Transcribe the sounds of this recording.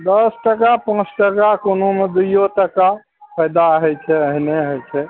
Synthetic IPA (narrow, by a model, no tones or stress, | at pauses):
d̪əsʈəkapãt͡ʃʰʈəkakonomed̪ujoʈəka | pʰəjd̪aɦɛjt͡ʃʰɛəɦineɦəjt͡ʃʰɛ